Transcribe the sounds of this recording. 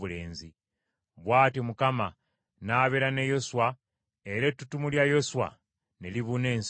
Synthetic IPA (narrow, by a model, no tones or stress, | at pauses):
βule̞ːnzi | βwaːtiomukama | naːβeɾane̞jo̞suwa | eɾetːutumuljajo̞swa̰ | neliβune̞ːns